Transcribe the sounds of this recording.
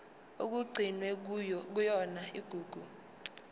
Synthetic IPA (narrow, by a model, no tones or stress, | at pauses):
ok̬uɡ͡ǀʱinwɛk̬ujɔk̬ujɔnaiɡ̥ʱuːɡ̥ʱu